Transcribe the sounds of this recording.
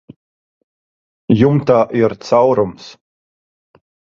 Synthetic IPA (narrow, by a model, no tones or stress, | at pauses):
jumt̪aːʔiɾt̪sawɾums